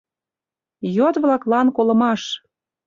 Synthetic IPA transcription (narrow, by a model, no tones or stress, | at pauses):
jot̪βlɑklɑnkolɤ̆mɑʃ